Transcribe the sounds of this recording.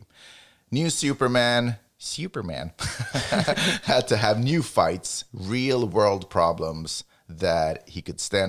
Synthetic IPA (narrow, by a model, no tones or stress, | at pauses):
njʉsʉpə˞mæ̃n | sjʉpə˞mæ̰̃n | hɨd̚tʰɨəvnjʉfaɪtsɹilˠwɜ˞lˠd̚pʰɹ̥ɑblə̃mz̥ | ðɨt̚hikɨd̥stæ̃n